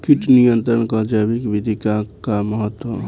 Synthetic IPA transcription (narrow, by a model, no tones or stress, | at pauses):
kiʈnijənt̪ɾənkəd͡ʒabikbid̪ʱikakaməɦət̪wə